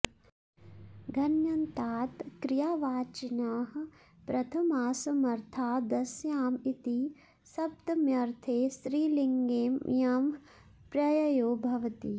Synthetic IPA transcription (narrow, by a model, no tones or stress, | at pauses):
ɡʱɐnjɐnt̪aːt̪kɾijaːʋaːt͡ʃɐnaːɦɐ̆ | pɾɐt̪ʰɐmaːsɐmɐɾt̪ʰaːd̪ɐsjaːmit̪i | sɐb̚t̪ɐmjɐɾt̪ʰeːsɾiːliŋɡeːmjaːm | pɾɐjɐjoːbʱɐʋɐt̪ḭ